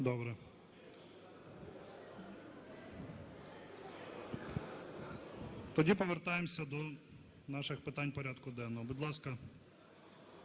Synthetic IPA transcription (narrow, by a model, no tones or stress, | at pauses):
d̪ɔbɾɛ | t̪ɔdʲipɔʋert̪ɑjemsʲɐd̪ɔ | nɑʃɪxpɪt̪ɑnʲpɔɾʲad̪kʊd̪ɛnːɔɦɔbʊd̪lˠɑskɐ